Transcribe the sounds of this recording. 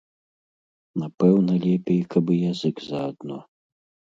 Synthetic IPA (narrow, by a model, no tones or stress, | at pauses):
napɛwnɐlʲɛpʲɛjkʰɐbɨjazɨɡzɐːd̪nɔ